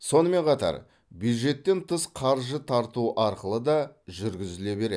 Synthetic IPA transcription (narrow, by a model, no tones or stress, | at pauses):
so̞nəme̞ɴqʰɑt̪ɑ̰ɾ | bjujd̪ʒe̞t̪ːe̞nt̪ʰəsqʰɑɾʒət̪ʰɑɾt̪uʔɑɾqəlˠəd̪ɑʒʏɾɡʲɪzɪle̞be̞ɾḛ